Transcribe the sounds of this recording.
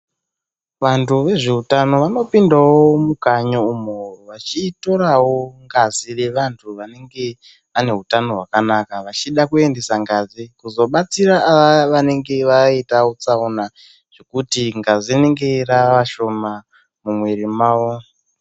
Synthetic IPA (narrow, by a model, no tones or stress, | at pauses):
ʋantuʋe̞ʐe̞utano̞ʋano̞pindawoomukaɲoumoroʋat͡ʃito̞ɾawo̞ŋɡazire̞ʋantʰuʋane̞ŋɡe̞ | ane̞ɦutano̞ɦwakanakaʋat͡ʃiɗakue̞nde̞saŋɡazikuzo̞ɓat͡siɾaʔːʋaʋane̞ŋɡe̞ʋaitawot͡saona | ʐ̥e̞kutiŋɡaziine̞ŋɡe̞raaʋaʃo̞ma | mumweɾimaːwo